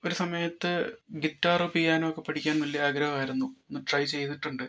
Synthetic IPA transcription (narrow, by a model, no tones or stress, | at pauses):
o̞ɾusɐmɐjɐt̪ːɨɡitːaːrɨpijaːnɐmokːe̞pːɐʈʰikʲːaːnʋɐlːiɐaːɡɾɐɦɐaːjiɾunːuenːɨʈrɐjt͡ɕe̞jt̪iʈːuɳɖɨ